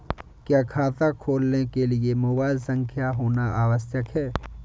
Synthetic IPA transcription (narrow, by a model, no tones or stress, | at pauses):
kjaːkʰaːt̪akʰoːlnekeliemobaːlsə̃ŋkʰjaɦoːnaaːwəsjəkɦɛː